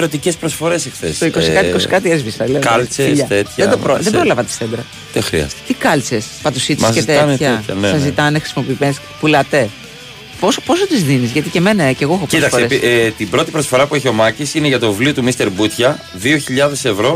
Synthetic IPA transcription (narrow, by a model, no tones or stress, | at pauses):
ɾot̪ice̞spɾo̞sfo̞ɾe̞sexθest̪ikosikɐt̪iikosikɐt̪iezvisɐleɐlt͡sesɐt̪et̪çed̪opɾoðebɾolɐvɐt̪i̥st̪ed̪ɾɐ | t̪exɾḭɐ̰st̪e̥t̪ikɐlt͡sespɐt̪usit̪ːsezit̪eçɐeçɐ̰nsɐzit̪ɐnexɾi̥simo̞pimes | pulɐt̪e | pospo̞sot̪izðinizʝɐt̪ice̞me̞nɐece̞ɣoexopit̪ɐksfeeit̪ibɾo̞t̪ipɾo̞sfo̞ɾɐpueçio̞mɐcisineʝɐt̪o̞vlio̞t̪umist̪e̞ɾbut̪çɐ | ðioçiʎɐðe̞se̞vɾo̞